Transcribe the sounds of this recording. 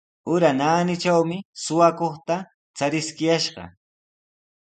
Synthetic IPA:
ʊɾanaːnɪt͡ʃawmɪsʊwakoχt̪a | t͡saɾɪskɪjaʃɢɑ̰

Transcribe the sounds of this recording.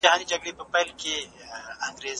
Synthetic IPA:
ɐɦaːnid͡ʒɐɡɽepəpɐlkeɐ̃ŋɡɾeːz

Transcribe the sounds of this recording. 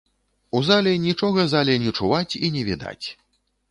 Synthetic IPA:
uzalʲɛnʲit͡ʂɔɣɐzalʲɛnʲɛt͡ʂuvat͡sʲinʲɛvʲid̪a̰t͡sʲ

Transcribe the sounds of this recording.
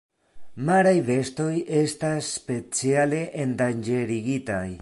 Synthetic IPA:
maɾajve̞sto̞je̞stasːpe̞t͡siale̞ʔendand͡ʒe̞ɾiɡitaj

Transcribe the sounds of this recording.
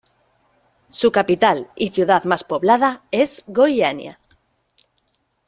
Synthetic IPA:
sukapit̪aliθjuð̞aðmaspo̞βlað̞aezɣojanj̰a̰

